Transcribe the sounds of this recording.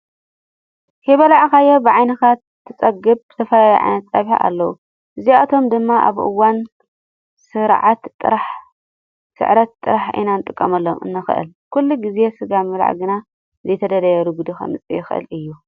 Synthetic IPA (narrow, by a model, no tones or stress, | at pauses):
hiβɐlaʕxajobɨʕajnɨxat̪ʰːɨt͡sʼɐɡɨbbɨ̥t̪ʰɐfɐlajiʕa̰jnɐt̪t͡sʼaβħa̰ʔa̰lːɐwu | ʔɨziat̪ʰo̞md̪ɨmːaʔa̰βʔɨ̰wan | sɨɾʕat̪ʼːɨ̰ɾaħ | sɨ̰ʕɾɐt̪ʼːɨɾaħḭnanɨt̪ʼɨkʼːɐmɐlːomɨ̰nːɨxʔɨ̰lkʰulːuɡize̞sɨɡamɨla̰ʕɡɨna | zɐjt̪ʰɐd̪ɐlɐjɐɾuɡud̪ixɐ̰mɨt͡sʼḭjɪxʔɨ̰lɨjːu